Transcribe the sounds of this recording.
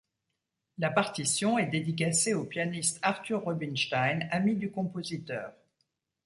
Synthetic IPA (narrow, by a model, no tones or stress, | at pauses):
lapaʁt̪isjɔ̃ɛd̪ed̪ik̬aseopjanist̪aʁt̪yʁːɔbinʃt̪ajnamid̪ykɔ̃pozit̪œːʁ